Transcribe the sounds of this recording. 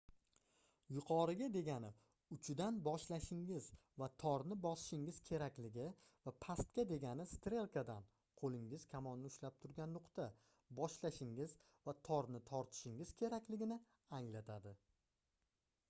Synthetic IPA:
jʊqʰɒɾɪɡʲad̪e̞ɡʲanɪ | ʊt͡ʃʰʊd̪anbɒʃlaʃɪŋɪzvat̪ʰɒɾnɪbɒsɪ̥ʃɪŋɪz̥kʲʰe̞ɾakʲlɪɡʲɪ | vapʰast̪kʲad̪e̞ɡʲanɪst̪ɾe̞lˠkʰad̪an | qʰolˠɪŋɪz̥kʲʰamɒnnɪʊʃlap̚t̪ʰʊɾɡʲanːʊqt̪ʰa | bɒʃlaʃɪŋɪz | vat̪ʰɒɾnɪt̪ʰɒɾt̪ʰɪ̥ʃɪŋɪz̥kʲʰe̞ɾakʲlɪɡʲɪnɪ | aŋlat̪ʰad̪ɪ

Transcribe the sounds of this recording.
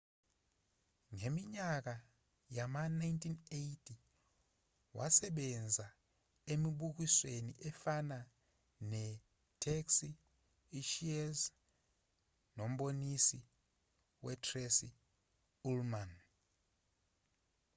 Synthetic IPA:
ŋemiɲak̬a | jamanajntʰinejtʰi | wa̰sɛɓɛnd͡zʱa | emiɓuk̬iswenḭʔɛfana | nɛ | tʰɛksi | ʃiɛz | nom̩ɓonisi | wɛtʰʼrɛsi | ulman

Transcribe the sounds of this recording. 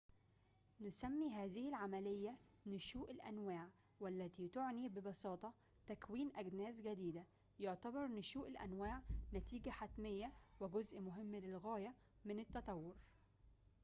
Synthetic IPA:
nʊsæmːiːɦæːzɪhɪlʕamælejːæ | nʊʃuːʔɪlʔæ̰nwæːʕ | wælːæt̪iːt̪oʕniːbɪbɑsɑːt̪ˤɑ | t̪ækwiːnʔæɡnæːsɡæd̪iːd̪æ | joʕt̪æbɑɾˤnːʊʃuːʔɪlʔæ̰nwaːʕnæt̪iːɡæħat̪mejːæwɪɡozʔmʊɦɪmːlɪlɣæːjæ | mɪnɪt̪ːɑt̪ˤɑwːoɾ

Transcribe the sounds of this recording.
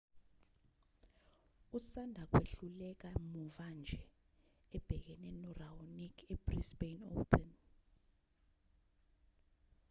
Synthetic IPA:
usandʱak̬weɬulɛk̬amuvand͡ʒʱɛ | ɛb̥ʱɛk̬ɛnɛnɔraunikʰɛb̥risbeno̰pʰɛn

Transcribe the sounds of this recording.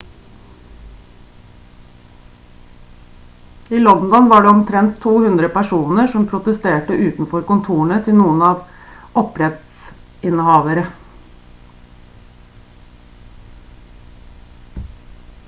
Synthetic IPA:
iːlɔnd̪ɔnʋɑːɖɛːɔmt̪ʰɾɛnt̪ʰːuːhʉnd̪ɾəpæʂuːnəʂɔmpʰɾʊt̪əst̪eːʈəʔʉːt̪n̩fɔɾkʊnt̪ʰuːɳət̪ʰɪlnuːənɑːʋ | ɔpɾɛt̪s | ɪnəhɑːʋəɾə

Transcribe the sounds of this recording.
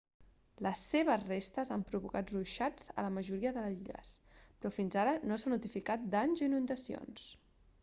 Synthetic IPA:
ləsːeβ̞əzrest̪əzampɾuβukat̪ruʃad͡zə̰ləməʒuɾiəðələziʎə̰spɾɔfinzaɾənosanut̪ifikat̪̚d̪aɲziinund̪əsio̰ns

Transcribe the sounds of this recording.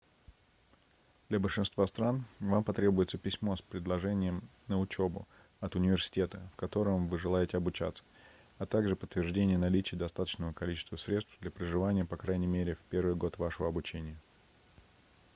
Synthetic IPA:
d̪̥lʲɐbəlʲʂɨnst̪vast̪ɾanvampɐt̪ɾʲebʊjɪt̪səpʲɪsʲmo̞spɾʲɪd̪lˠɐʐɛnʲɪjəmnəʊt͡ɕobʊ̰ | ɐt̪ʊnʲɪvʲɪrsʲɪ̥tʲe̞t̪ə̰fkɐt̪o̞ɾəmvɨʐɨlˠajɪtʲɪɐbʊt͡ɕa̰t̪sə̥ | ɐt̪aɡʐɨpət̪ːvʲɪrʐdʲenʲɪjənɐlʲit͡ɕɪjəd̪ɐst̪at̪ə̥t͡ɕnəvəkɐlʲit͡ɕɪst̪vəsɾʲe̞t̪st̪vd̪lʲɐpɾɪʐɨvanʲɪjəpɐkɾajnʲɪmʲeɾʲɪfpʲe̞rvɨjɡo̞t̪vaʂəvəɐbʊt͡ɕenʲɪjə

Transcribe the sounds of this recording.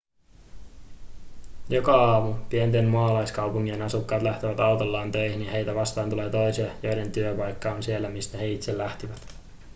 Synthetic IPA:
jo̞kɑɑːmupient̪emmɑlɑjskɑwpuŋːienɑsukːɑːt̪læht̪eʋæt̪ɑwt̪olːɑːnt̪ø̞jhinːihe̞jt̪æʋɑst̪ɑːnt̪ule̞ːt̪o̞jsiɑjo̞jde̞nt̪yøpɑjkːɑonsielːæmist̪æhe̞it̪se̞lːæht̪iʋæt̪

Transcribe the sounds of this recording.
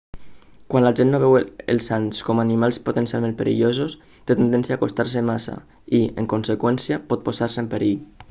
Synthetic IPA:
kwanlaʒenːoβɛwḛlˠsanskɔmanimalˠspot̪ensia̰lmẽn̚peɾʔḭʎozos | t̪et̪end̪ɛnsjaːkost̪aɾsemasa̰ | iḛŋkonsekwɛnsiapɔt̪̚pozaɾsəempeɾiʎ

